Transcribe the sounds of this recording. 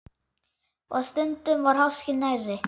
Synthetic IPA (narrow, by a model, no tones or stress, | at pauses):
ɔ̰ðst̪ʏnt̪ʏmvaɾ̥ɦawscɪnajrːɪ